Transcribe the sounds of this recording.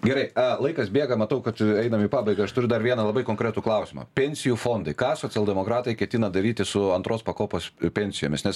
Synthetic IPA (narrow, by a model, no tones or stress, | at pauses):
ɡʲɛɾɐɪɐlˠɐɪkɐsbʲeːɡɐmɐt̪ɐʊkɐt̪ɛɪnɐmiːpɑːbɐɪɡɐɐʃt̪ʊɾʲʊd̪ɐɾʋʲiɛnɐlˠɐbɐɪkoŋkɾʲet̪uːklˠɐʊsʲɪmɐ̰ːpʲɛnʲsʲɪjuːfoːnd̪ɐɪkɑːsoːt͡sʲɪɛlˠd̪ʲɛmokɾɑːt̪ɐɪkʲɛt̪ʲɪnɐd̪ɐɾʲiːt̪ʲɪsʊɐnt̪ɾoːspɐkoːpoːspʲɛnʲsʲɪjoːmʲɪsnʲɛs